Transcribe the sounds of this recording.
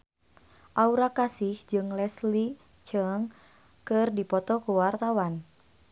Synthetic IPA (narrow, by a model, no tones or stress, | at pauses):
ʔauɾakasɪhd͡ʒɨŋlɛsli | t͡ʃəŋ | kɨrdipɔt̪ɔkuwart̪awan